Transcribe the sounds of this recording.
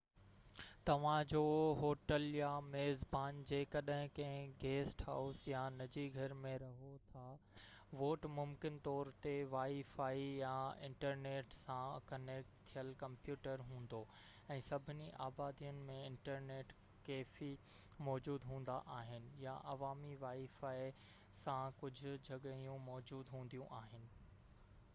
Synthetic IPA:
t̪ɐʋ̤ãd͡ʑoːɦoːʈəljameːzbaːnd͡ʑeːkɐɗɦɪ̃kɐ̃ɦɪ̃ɡeːsʈɦaːʊsjanɐd͡ʑiɡʱɐɾmẽɾɐɦot̪ʰa | ʋoːʈmʊmkɪnt̪ɔːɾt̪eʋaːifaːijaɪ̃ɳʈəɾneːʈsãkɐneːk̚ʈt̪ʰijəlkɐ̃mpjuːʈəɾɦũːn̆d̪o | ɛ̃ːsɐbʱɪniʔaːbaːd̪ijʊnɪ̆mẽɪ̃ɳʈəɾneːʈ | keːfi | mɔːd͡ʑuːd̪ɦũːn̆d̪aʔaːɦɪnɪ̆jaʔɐʋaːmiʋaːifaːi | sãkʊd͡ʑʱʊ̆d͡ʑʱɐɠəijũmɔːd͡ʑuːd̪ɦũːn̆d̪ijũʔaːɦɪnɪ̆

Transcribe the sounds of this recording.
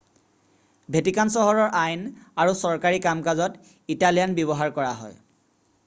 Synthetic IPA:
bʱetikansɔɦɔɹɔɹʔajnaɹusɔɹkaɹikamkazɔt | italijanbjɔβɔɦaɹkɔɹaɦɔ̰j

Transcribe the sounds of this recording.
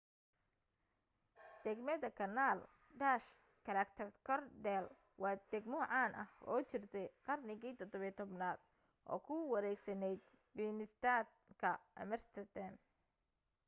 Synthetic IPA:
d̪̥ɛɡmɐðɐkʰɐnaːl | ɖaːʃ | kʰɐɾɐkt̪ʰɐkʰɔrɖɛl | wɑːd̪̥ɛɡmɔʕɑːnʔɐhɔːt͡ʃɪrt̪ʰɛjqɑrnɪɣiːt̪ʰɔd̪ɔβjt̪ʰɔbnaːd̪̥ | ʔɔ̰ːkʰʊwɐɾɛːɡsɐnɛjd̪̚ | biːnɪst̪aːd̪̚ | kʰɐmɛrst̪ʰɐt̪ɐn

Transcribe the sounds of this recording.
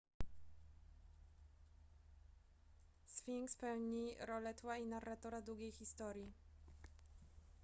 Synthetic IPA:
sfʲiŋkspɛwɲiɾɔlɛt̪wainarːat̪ɔɾad̪ɾuɡʲejxʲist̪ɔɾʲji

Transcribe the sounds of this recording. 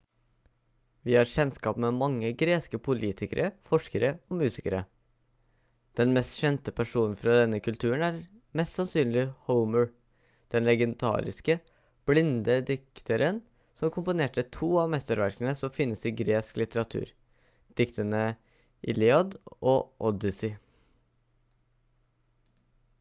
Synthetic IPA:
ʋɪhɑɾɕɛnskɑːpmɛmɑŋːəɡɾeːskəpʰʊlʔiːt̪ʰɪkə̰ɾʔəfɔʂkəɾəɔmʉːsɪkəɾə | d̪̥ɛnmɛst̪ɕɛnt̪əpʰæʂuːnn̩fɾɑd̪ɛnːəkʰʉlt̪ʰʉːəɳæɾ | mɛst̪sɑnsyːnlɪhəʊməɹ | d̪̥ɛnlɛɡənt̪ʰɑ̰ːɾɪ̰skə | b̥lɪnd̪əd̪ɪkt̪ʰəɾʔən | sɔmkʰʊmpʊneːʈət̪ʰuːɑmɛst̪əɾʋæɾkənəsɔmfɪnːəsiːɡɾeːsklɪt̪əɾɑt̪ʰʉ̰ːɾ | d̪̥ɪkt̪ənə | ʔɪ̰lɪɑd̪ʔoːʔɔd̪ɪsɪ

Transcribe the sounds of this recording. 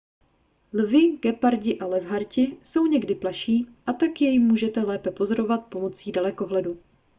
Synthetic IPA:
lvɪɡ̥ɛpaɾɟɪʔalɛvɦaɾcɪso̞wɲɛɡdɪplaʃiːʔat̪akjɛjmːuːʒɛt̪ɛlɛːpɛpo̞zo̞ɾo̞vat̪̚po̞mo̞t͡siːdalɛko̞ɦlɛdu

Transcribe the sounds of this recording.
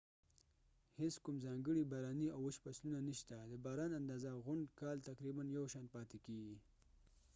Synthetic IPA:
heskʊmzɑŋɡəɽibaɾɑniawəʃpaslunaniʃt̪ad̪əbɑɾɑnand̪ɑzaɣʊɳɖkɑlt̪aqɾibanjawʃɑnt̪̚pɑt̪ekeɡi

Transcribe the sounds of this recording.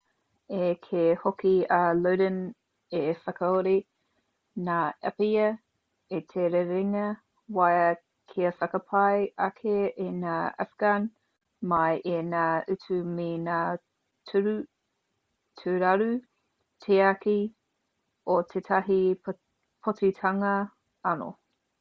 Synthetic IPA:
ekʰehokiɐlowdən | efɐkɐoɾi | naːɐ̰pjɐ | etʰeɾeɾiŋɐ | wajɐ | kʰiɐfɐkɐpʰɐjʔɐkʰeʔenaːa̰fɡ̥an | mɐjʔenaːʔʉt͡sʉminaː | tʰʉɾʉ | tʰʉɾɐɾʉ | tʰeɐki | otʰetʰɐɦi | pʰot͡sitʰɐŋɐ | ɐno̰

